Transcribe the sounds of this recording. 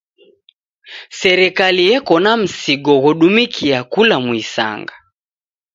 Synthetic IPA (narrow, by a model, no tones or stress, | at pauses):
sɛɾɛkalijɛkɔnam̩siɡɔɣɔɗumikʰiakulamwisa̰ŋɡa